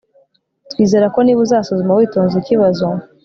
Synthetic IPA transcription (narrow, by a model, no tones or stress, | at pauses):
twiːze̞ɾako̞niːβuzaːsozumawiːtoːnziciβazo